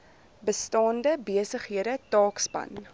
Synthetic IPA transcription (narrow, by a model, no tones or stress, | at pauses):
bəstɑːndəbiəsəχɦiəɾətɑːkspɐ̰n